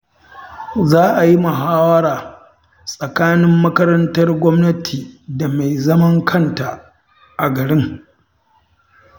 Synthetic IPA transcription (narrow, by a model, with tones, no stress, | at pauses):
zaː˦ʔa˨ji˦mɐ˨ɦaː˦wɐ˦ɽaː˨ | sʼɐ˨kaː˦nɪ˦mːɐ˦kɐ˦ɾɐ˦ntɐ˦rɡʷɔ˦mnɐ˦tʰiː˨da˨ma˨jzɐ˦mɐ˦ŋkʰɐ˦˨nta˨ | ʔa˨ɡɐ˨ɽɪ˦ŋ